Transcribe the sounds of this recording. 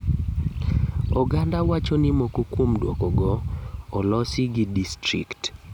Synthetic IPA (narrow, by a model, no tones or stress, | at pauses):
ɔɡandawat͡ʃɔnɪmokukwomdwɔ̰kɔɡɔːlɔsɪɡidistɾḭkt